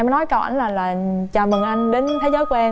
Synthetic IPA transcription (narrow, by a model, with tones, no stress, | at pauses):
m˨˦nɔ˨˦jka˨˩wʔa̰˧˩nlaː˨˩laː˨˩t͡ɕaː˨˩mɨ˨˩ŋʔa˧jŋɗe˨˦nt̪ʰe˨˦zəː˨˦jkʔɛ˧